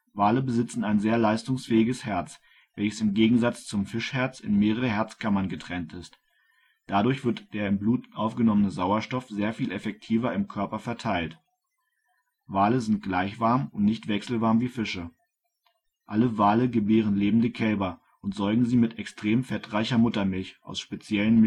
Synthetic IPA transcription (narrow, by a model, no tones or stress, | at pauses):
vaːləbəzɪt͡sn̩aɪnzeːɐlaɪstʊŋsfɛːɪɡəshɛɐt͡s | vɛlçə̥sɪmɡeːɡŋ̩zat͡st͡sʊmfɪʃhɛɐt͡sɪ̰nmeːʁəʁəɦɛɐt͡skʰamɐnɡətʁ̥ɛntɪst | d̥adʊɐçv̥ɪɐtd̥eːɐɪmbluːtʔaʊfɡ̥ənɔmənəzaʊɐʃtɔfz̥eːɐfiːlʔɛfɛk̚tʰiːvɐɪmkʰœɐpɐfɛɐtʰaɪlt | vaːləzɪnt̚ɡ̥laɪçv̥aɐmʊntnɪçtv̥ɛksl̩vaɐmviːfɪʃə | ʔaləvaːləɡəbeːʁ̞ənleːbm̩dəkʰɛlbɐ | ʔʊntz̥ɔɐɡŋ̩ziːmɪtʰɛkstʁ̥eːmfɛtʁaɪçɐmʊtɐmɪlçʔa̰ʊsʃpet͡sjɛlənm